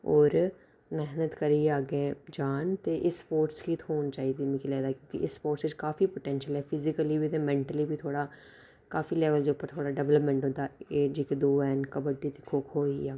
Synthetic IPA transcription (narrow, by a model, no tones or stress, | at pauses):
ɔːɾ | mɛɦnət̪kəɾiːeaːɡẽd͡ʒaːnt̪eːʔɪsːpoːɾʈskit̪ʰɦoːnt͡ʃaːiːd̪iːmɪkilɛːd̪aːkjõːkḭʔɪsːpoːɾʈsɪt͡ʃkaːfipoʈɛ̃ːnʃəlɛːpʰɪzɪkəliːbiːt̪ẽmɛ̃ːɳʈəliːbʱiːt̪ʰoːɽaː | kaːfilɛːʋəld͡ʒeupːəɾt̪ʰoːɽaːɖɛʋləpmɛ̃ːɳʈõːd̪aːeːd͡ʒeːkid̪oːɛːnkəbəɖiːt̪ekʰːoːkʰoːiaː